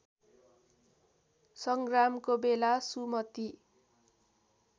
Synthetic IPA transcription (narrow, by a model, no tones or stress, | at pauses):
sʌŋɡramkobelasumʌt̪i